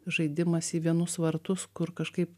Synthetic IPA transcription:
ʒɐɪd̪ʲɪmɐsiːʋʲiɛnʊsʋɐɾt̪ʊskʊɾkɐʃkɐɪp

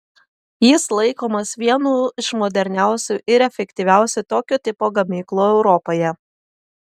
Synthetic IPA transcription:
jɪslˠɐɪkoːmɐsʋʲiɛnuːɪʃmɔd̪ʲɛɾʲnʲæˑʊsʲuʔɪɾɛfʲɛkt̪ʲiʋʲæˑʊsʲʊt̪oːkʲot̪ʲɪpoːɡɐmʲiːklˠuːɛʊɾɔpoːjɛ

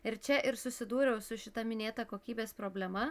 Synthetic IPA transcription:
ɪɾt͡ʃʲɛʔɪɾsʊsʲɪd̪uːɾʲɛʊsʊʃʲɪt̪ɐmʲɪnʲeːt̪ɐkoːkʲiːbʲeːspɾoːbʲlʲɛmɐ

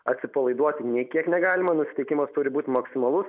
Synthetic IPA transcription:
ɐt̪ʲsʲɪpɐlˠɐɪd̪uɔt̪ʲɪnʲiɛkʲiɛknʲɛɡɑːlʲɪmɐnʊsʲɪ̥t̪ʲɛɪkʲɪmɐst̪ʊɾʲɪbuːt̪ʲmɐksʲɪmɐlˠʊs

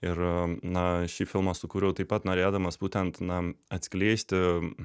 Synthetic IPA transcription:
ɪɾnɐʃʲɪfʲɪlˠmɐsʊkuːɾʲɛʊt̪ɐɪpɐt̪noːɾʲeːd̪ɐmɐsb̥uːt̪ʲɛnt̪nɐɐt̪ʲsʲkʲlʲeːsʲt̪ʲɪ

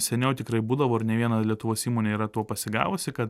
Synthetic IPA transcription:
sʲɛnʲɛʊt̪ʲɪkɾɐɪbuːd̪ɐʋoːɪɾnʲɛʋʲiɛnɐlʲiɛt̪ʊʋoːsiːmoːnʲeiːɾɐt̪uɔpɐsʲɪɡɑ̰ːʋʊsʲɪkɐt̪

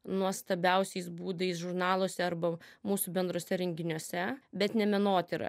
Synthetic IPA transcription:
nuɔst̪ɐbʲɛʊsʲɛɪsbuːd̪ɐɪsʒʊɾnɑːlˠoːsʲɛɐɾbɐmuːsubʲɛnd̪ɾuɔsʲɛɾʲɛŋʲɡʲɪnʲuɔsʲɛbʲɛt̪nʲɛmʲɛnoːt̪ʲɪɾɐ̰

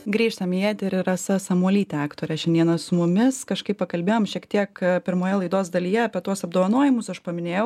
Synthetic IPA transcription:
ɡɾʲiːʃt̪ɐmʲjit̪ʲɪɾɪɾɐsɐsɐmuɔlʲiːt̪ʲɛæːkt̪oːɾʲɛʃʲɛnd̪ʲiɛnɐsʊmʊmʲɪskɐʃkɐɪpɐkɐlʲbʲeːjoːmʃʲiɛkt̪ʲiɛkpʲɪɾmoːjɛlˠɐɪd̪oːzd̪ɐlʲiːjɛɐpʲiɛt̪uɔsɐbd̪oːʋɐnoɔjɪmʊsɐʃpɐmʲɪnʲeːjɛʊ

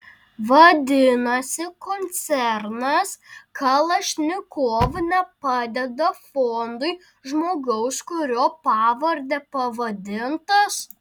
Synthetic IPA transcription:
ʋɐd̪ʲɪnɐsʲɪkoːnʲt̪sʲɛɾnɐskɐlˠɐʃʲnʲɪkoːʋnʲɛpɑːd̪ʲɛd̪ɐfoːnd̪ʊɪ | ʒmoːɡɐʊskʊɾʲoːpɑːʋɐɾʲd̪ʲɛpɐʋɐd̪ʲɪnt̪ɐs

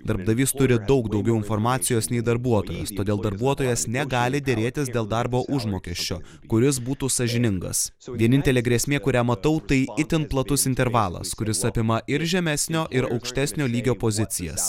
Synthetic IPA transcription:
d̪ɐɾbd̪ɐʋʲiːst̪ʊɾʲɪd̪ɒʊkd̪ɒʊɡʲɛʊɪnfoːɾmɑːt̪sʲɪjoːsnʲɛɪd̪ɐɾbuɔt̪oːjɛ̰st̪oːd̪ʲeːlˠd̪ɐɾbuɔt̪oːjɛsnʲɛɡɑːlʲɪd̪ʲeːɾʲeːt̪ʲɪsd̪ʲeːlˠd̪ɑɾboːʔʊʒmoːkʲɛʃʲt͡ʃʲo̰ː | kʊɾʲɪs̬buːt̪uːsɐʒʲɪnʲɪŋɡɐ̰sʋʲiɛnʲɪnʲt̪ʲɛlʲeːɡɾʲeːsʲmʲeːkʊɾʲæːmɐt̪ɐʊt̪ɐɪɪt̪ʲɪntplˠɐt̪ʊsɪnʲt̪ʲɛɾʋɑːlˠɐ̰skʊɾʲɪsɐpʲɪmɐʔɪɾʒʲɛmʲɛsʲnʲoːʔɪɾɒʊkʃʲt̪ʲæsʲnʲoːlʲiːɡʲoːpozʲɪt̪sʲɪjɛ̰s

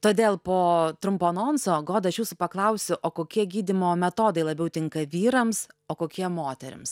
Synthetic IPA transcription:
t̪oːd̪ʲeːlˠpoːt̪ɾʊmpoːnoːnsoːɡoːd̪ɐʃjuːsʊpɐklˠɐʊsʲʊʔoːkoːkʲiɛɡʲiːd̪ʲɪmoːmʲɛt̪oːd̪ɐɪlˠɐbʲɛʊt̪ʲɪŋkɐʋʲiːɾɐmsoːkoːkʲiɛmoːt̪ʲɛɾʲɪ̰ms

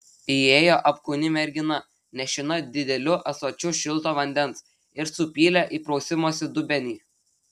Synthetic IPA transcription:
ieːjoːʔɐpkʊnʲɪmʲɛɾʲɡʲɪnɐ | nʲɛʃʲɪnɐd̪ʲɪd̪ʲɛlʲʊʔɐsoːt͡ʃʲʊʃʲɪlˠt̪oːʋɐnʲd̪ʲɛnˑs | ɪɾsʊpʲiːlʲɛʔiːpɾɔʊsʲɪmoːsʲɪd̪ʊbʲɛnʲiː

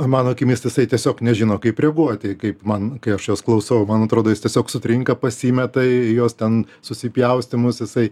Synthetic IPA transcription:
mɑːnoːkʲɪmʲiːst̪ɐjɪsɐɪt̪ʲiɛsʲoːknʲɛʒʲɪnoːkɐɪprʲɛɡuɔt̪ʲɪkɐɪpmɐnkɐɪɐʃjoːsklˠɐʊsɐʋmɐnɐt̪ɾoːd̪oːjɪstʲiɛsʲoːksʊt̪ʲɾʲɪŋkɐpɐsʲiːmʲɛt̪ɐɪjoːst̪ʲɛn | sʊsʲɪpʲjɛʊsʲt̪ʲɪmʊsjɪsɐɪ

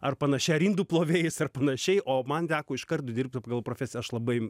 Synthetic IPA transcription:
ɐrpɐnɐʃʲɛɾʲiːnd̪uːplˠoːʋʲeːjɪsɐrpɐnɐʃʲɛɪʔoːmɐnt̪ʲæːkoːɪʃkɐrt̪ʊd̪ʲɪrp̚ʲt̪ʲɐpɐɡɐlˠpɾoːfʲæːsʲɪɐʃlˠɐbɐɪ

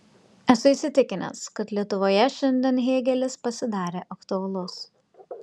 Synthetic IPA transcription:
ɛsʊɪsʲɪt̪ʲɪkʲɪnʲɛ̰skɐt̪lʲiɛt̪ʊʋoːjɛʃʲɛnʲd̪ʲɛːnɦʲeːɡʲɛlʲɪspɐsʲɪd̪ɑːɾʲeːʔɐkt̪ʊɐlˠʊs

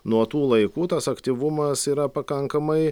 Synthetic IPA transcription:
nuɔt̪uːlˠɐɪkuːt̪ɐsɐkt̪ʲiːʋʊmɐsiːɾɐpɐkɐŋkɐmɐɪ

